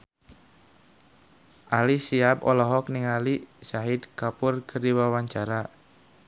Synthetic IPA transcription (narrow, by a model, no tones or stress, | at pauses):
ʔalisiabɔ̰lɔɦɔk̚niŋalisaɦid̪kapʊrkʰərdiwawaɲt͡ʃaɾa